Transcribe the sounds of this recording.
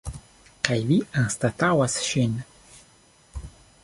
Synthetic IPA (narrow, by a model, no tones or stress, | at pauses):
kajviaŋst̪at̪awasʃin